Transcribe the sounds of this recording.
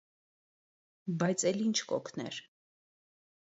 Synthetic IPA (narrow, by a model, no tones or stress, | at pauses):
bɑjt͡sʰɛlint͡ʃʰkɔ̰kʰnɛ̰ɾ